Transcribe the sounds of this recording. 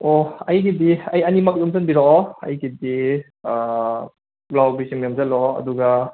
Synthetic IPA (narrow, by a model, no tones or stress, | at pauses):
ɔɐjɡidiɐjanimak̚dumzanbiɾɔɐ̰jɡidi | lawbisimjamzalɔɐ̰duɡa